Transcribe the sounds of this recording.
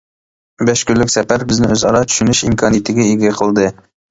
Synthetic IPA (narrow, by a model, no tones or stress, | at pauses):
bɛʃkʲylːykʲsɛpæɾbɪznɪøzɑɾɑt̪ʰy̥ʃynyʃimkʰɑnijit̪ʰɪɡʲɛiɡʲɛqʰəlˠd̪ɨ